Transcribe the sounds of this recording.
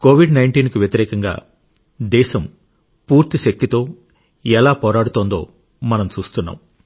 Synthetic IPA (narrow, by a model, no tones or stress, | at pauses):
ko̞ːʋiɖnɐjɳʈiːnkiʋjɐt̪iɾɛːkɐŋɡa̰ː | d̪ɛːʃɐm | puːɾt̪iʃɐk̚t̪it̪o̞ː | ɛlaːpɔːɾaːɽut̪oːnd̪o̞̰ː | mɐnɐmt͡ʃuːst̪unːa̰ːm